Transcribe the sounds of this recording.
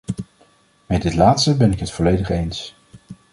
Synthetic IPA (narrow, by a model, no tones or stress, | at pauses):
mɛdɪtlaːtstəbɛnɪkɦətfɔlejdəχejns